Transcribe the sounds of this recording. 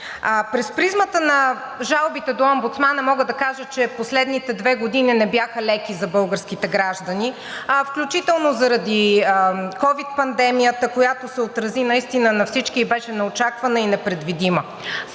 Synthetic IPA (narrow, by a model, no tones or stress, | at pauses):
pɾɛspɾizmət̪ənɐ | ʒalˠbit̪ɛd̪oɐmbut̪smanɐmɔɡəd̪ɐkaʒət͡ʃɛposlɛd̪nit̪ɛd̪vɛɡod̪ininɛbjaxəlɛkizɐbɤlˠɡəɾsk̟it̪ɛɡɾaʒd̪əni | fklʲut͡ʃit̪ɛlˠnozɐɾɐd̪i | kɔvit̪̚pɐnd̪ɛmijət̪əkojat̪osɛot̪ɾɐzinɐist̪inənɐfsit͡ʃkiːbɛʃɛnɛot͡ʃakvɐnəinɛpɾɛd̪vid̪imə